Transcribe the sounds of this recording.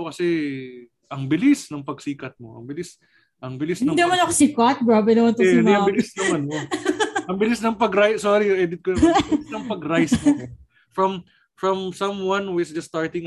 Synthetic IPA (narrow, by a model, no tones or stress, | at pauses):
kɐsɛ | ʔɐŋbɪlisnɐŋpɐɡsiːkɐt̪̚mo̞̰ʔɐ̰ŋbɪlɪs | ʔɐŋbɪlɪsnɐŋnɐmɐnɐkosikat̪̚bɾaːbɛnɐmɐnt̪niɐbɪlsnɐmɐnoɐŋbɪlɪsnɐŋpɐɡɾajsoːɾiʔɛːd̪ɪt̪̚konɐmɪnɐŋpɐɡɾajsmo | fɹɐm | fɹɐmsɐmwɐ̃nwɪsd͡ʒɐst̪aɹt̪ɪŋ